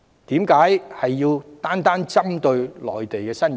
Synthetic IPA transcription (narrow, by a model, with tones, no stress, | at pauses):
t̪iː˨˥mkaː˨˥jhɐ˨jːiː˧wt̪aː˥nt̪aː˥nt͡sɐ˥mt̪ɵ˧ɥlɔ̰ː˨jt̪e˨jkɛː˧sɐ˥n